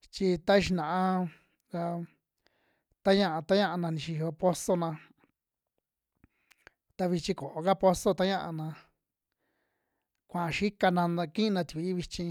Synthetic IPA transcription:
t͡ʃi˧t̪a˦˧ʃ̬i˧nã˨ã˧ | ka˧ | t̪a˦ɲã˦˧ʔa˧t̪a˦ɲã˦˧ʔa˧nã˧nĩ˧ʃi˧o˧po˦so˦nã˧ | t̪a˧βi˧t͡ʃĩ˧ko˨ʔo˧ka˦po˧so˦t̪a˦ɲã˦˧ʔa̰˧nã˧ | kʷã˨˧ʃi˦ka˧nã˧kĩ˦˧nã˧t̪i˨i˨˧˦βi˧t͡ʃĩ˧

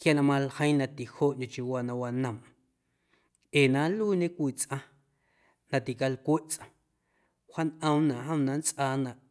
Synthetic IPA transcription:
kja˧nã˧˨mã˧lhə̃˦nã˧t̪i˨hoː˦˨ʔɲõ˨t͡ʃi˧waː˧nã˧wa˧nə̃˨m | ʔeː˨nã˨˦luː˦ɲẽ˦kʷiː˦˨t͡sʔã˧ | nã˧˨t̪i˨ka˧lkʷe˦ʔt͡sʔã˧˨ | ha˦nʔə̃˦˧mnã˨ʔɦə̃˦mnã˧nt͡sʔaː˧nã˨ʔ

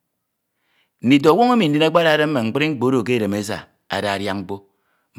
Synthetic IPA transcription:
n̩˨i˨t̬o˨a˨wo˦ŋe˦mi˨n̩˦di˦na˦k͡pa˦ɾa˨˦ɾe˦m̩˦me˨ŋ͡m̩˨k͡pɨ˦ɾi˦ŋ͡m̩˦k͡po˨˦ɾo˨ke˦˨ɾe˨me˦sa̰˨ | a̰˨da˨ɾja˦ŋŋ͡m̩˦k͡po˦

